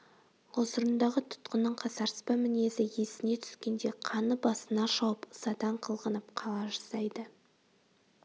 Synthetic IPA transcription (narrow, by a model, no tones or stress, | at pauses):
wosəɾənd̪ɑʁət̪ʰʊ̥t̪qənːəɴqʰɑsɑɾspɑmɪne̞zɪje̞sɪne̞t̪ʰʏ̥skʲe̞nd̪e̞qʰɑnəbɑsənɑʃɑwəpə̥sɑd̪ɑɴqʰəlˠʁənəp̚qʰɑlˠɑʒɑsɑjd̪ə